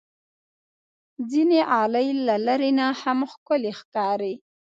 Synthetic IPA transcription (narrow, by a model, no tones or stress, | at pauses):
zineʔɑləjlalaɾenahamxkʊlexkɑɾe